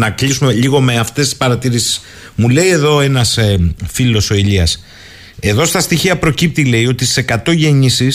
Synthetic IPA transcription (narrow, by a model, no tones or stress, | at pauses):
nɐklisumeʎiɣo̞me̞ɐft̪est̪i̥spɐɾɐt̪iɾisi̥s | mule̞ie̞ðo̞e̞nɐsfilo̞so̞iʎiɐs | e̞ðo̞st̪ɐst̪içiɐpɾo̞cip̚t̪ile̞io̞t̪isekɐt̪o̞ʝe̞ɲisis